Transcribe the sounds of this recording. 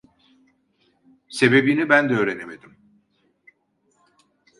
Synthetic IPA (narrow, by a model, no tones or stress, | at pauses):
se̞be̞binibænd̪ɛøːɾe̞neme̞d̪im